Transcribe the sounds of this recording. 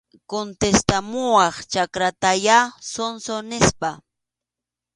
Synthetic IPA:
kont̪est̪amʊwɑχt͡ʃakɾat̪ajasonsonɪspa

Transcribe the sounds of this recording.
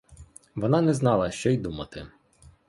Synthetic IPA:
ʋɔnɑnɛznɑlˠɐʃt͡ʃɔjd̪umɐt̪ɪ

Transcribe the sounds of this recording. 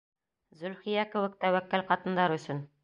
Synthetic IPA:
zɵ̆lχijækɘ̆wɘ̆k̚t̪æwækːɘlqɑt̪ɤ̆nd̪ɑɾɵ̆sɵn

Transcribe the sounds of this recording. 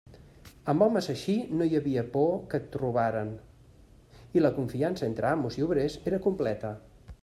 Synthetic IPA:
əmbɔməzəʃinojəβiəpɔkət̪ːɾuβaɾən | iləkuɱfiansəent̪ɾəamuziuβɾezeɾəkumplɛt̪ə

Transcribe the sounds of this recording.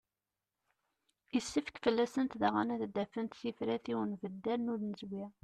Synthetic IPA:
isːəfəkfəlːæsənt̪ðaʁa̰næðd̪æfənt̪θifɾæθiwənvəd̪ːælnʊɾnəzvi

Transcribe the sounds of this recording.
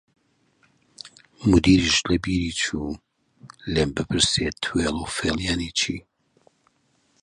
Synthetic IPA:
mud̪iːɾiʃlɐbiːɾiːt͡ʃʰuː | leːmbɨpʰɨɾset̪ʰwelˠofeljaːnit͡ʃʰiː

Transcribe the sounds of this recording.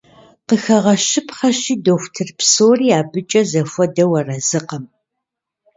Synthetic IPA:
qəxɐʁɐʃɪpχɐɕiːdoxʷtʰɨrpsoːriːaːbɨt͡ʃʼɐzɐfʷɔdɐwɐrɐzɨqɐm

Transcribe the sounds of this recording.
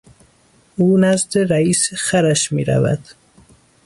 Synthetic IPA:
uːnæzd̪eɾæiːsexæɾæʃmḭːɾæ̰væ̰d̪̥

